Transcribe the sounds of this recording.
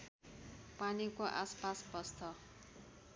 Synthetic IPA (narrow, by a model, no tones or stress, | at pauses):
panikoʔa̰spasbʌst̪ʌ